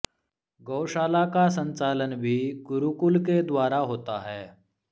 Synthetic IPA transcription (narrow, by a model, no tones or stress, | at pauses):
ɡəwʃaːlakas̬ə̃nt͡saːlənbʱiːɡʊɾukulked̪ʋaːɾaɦoːt̪a̰ɦɛː